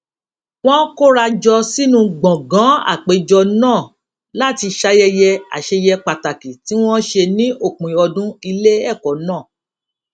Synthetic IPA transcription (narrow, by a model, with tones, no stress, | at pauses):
w̃ɔ̃˦ko˦ɾa˧d͡ʒɔ˧si˦nũ˧ɡ͡bɔ̃˨ɡã˨˦a̰˦˨k͡pe˨˦d͡ʒɔ˧nãː˦˨ | la˦˨ti˧ʃa˦jɛ˧jɛ˧a̰˨ʃe˧jɛ˧k͡pa˨ta˨ki˨ti˨˦w̃ɔ̃˦ʃe˧nĩ˦ʔo˦˨k͡pĩ˨ɔ˧dũ˦i˧le˦ɛ˦˨kɔ˨˦nãː˦˨